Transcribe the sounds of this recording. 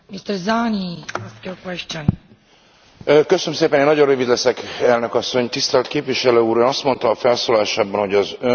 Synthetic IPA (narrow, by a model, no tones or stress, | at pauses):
mist̪ɛɾzaniaskjokwɛʃt͡ʃɔ̃n | køsønømseːpɛneːnːɒɟo̞rrøːvid̪lɛsɛkɛlnø̞kɒsːo̞ɲt̪ist̪ɛlt̪keːpviʃɛløːuːɾøːnɒst̪mo̞nt̪ɒːfɛlsoːlɒaːʃaːbɒnho̞ɟɒzø